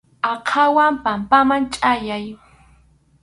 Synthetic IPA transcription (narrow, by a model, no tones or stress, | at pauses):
ɑqʰɑwampampamant͡ʃʼajaj